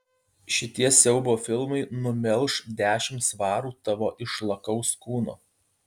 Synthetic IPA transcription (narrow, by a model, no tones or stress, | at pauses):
ʃʲɪt̪ʲiɛsʲɛʊboːfʲɪlˠmɐɪnʊmʲɛlˠʃd̪ʲæːʃʲɪmt̪sʋɑːɾuːt̪ɐʋoːʔɪʃlˠɐkɐʊskuːno̰ː